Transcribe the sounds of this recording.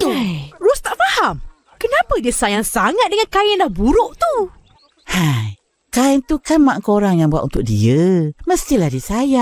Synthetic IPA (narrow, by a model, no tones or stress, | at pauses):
arust̪aʔfaham | kənapədiəsajaŋsaŋat̪̚dəŋankajənlahbuɾʊʔt̪u | haj | kaɛnt̪ukanmaʔŋkoɾaŋjaŋbuat̪ʔunt̪ʊk̚dḭəməst̪ilahdisajaʔ